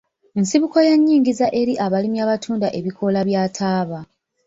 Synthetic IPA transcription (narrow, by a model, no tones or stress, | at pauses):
ensiβuko̞jaɲːiːŋɡizaʔe̞ɾiʔaβalimjaːβatʰuːndaʔe̞βikʰo̞laβjaːtʰaːβa